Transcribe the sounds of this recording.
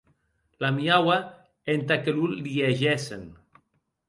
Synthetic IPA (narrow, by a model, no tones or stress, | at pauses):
lamiawa | ent̪akelulːieʒɛsḛn